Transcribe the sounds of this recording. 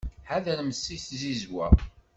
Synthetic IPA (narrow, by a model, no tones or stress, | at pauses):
ħæðælməsːiθzizwæ